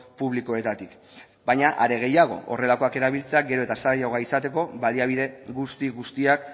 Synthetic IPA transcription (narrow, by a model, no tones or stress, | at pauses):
puβliko̞e̞t̪at̪ik | bajɲaʔaɾe̞ɣ̞e̞jaɣ̞o̞̰ʔo̰re̞lako̞ake̞ɾaβ̞ilt͡se̞aɡe̞ɾo̞e̞t̪asajawɣaisat̪e̞ko̞βaliaβ̞iðe̞ɣust̪iɣust̪iak